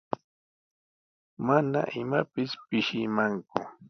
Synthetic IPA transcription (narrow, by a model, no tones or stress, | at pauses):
mana̰ʔɪmapɪspɪʃɪmaŋkʊ